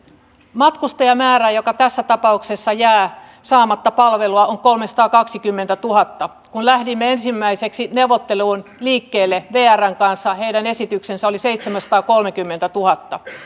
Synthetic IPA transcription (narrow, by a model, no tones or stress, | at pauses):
mɑt̪kust̪ɑjɑmæːræjokɑt̪æsːæt̪ɑpɑuksesːɑjæː | sɑːmɑt̪ːɑpɑlʋe̞luɑʔoŋko̞lmesɑ̥t̪ɑːkɑksikymːent̪æt̪uɦɑt̪ːɑ | kunlæhdimːeensimːæiseksineuwʋot̪ːe̞luːnliːkːeːlːeʋeːæræŋkɑnsːɑhe̞idæne̞sit̪yksensæo̞liseit̪semæsɑt̪ɑːko̞lmekymːent̪æt̪uhɑt̪ːɑ